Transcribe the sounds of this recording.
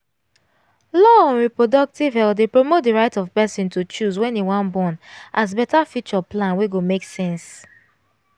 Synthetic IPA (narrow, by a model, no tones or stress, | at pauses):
lɔɔ̃nɹipɹodɔk̚tivɦɛldepɹomot̚diɹaɪtɔvpɛsĩntut͡ʃuzwɛ̃niwãnbɔ̃nʔazbɛtafit͡ʃɔplãnweɡomeksɛ̃ns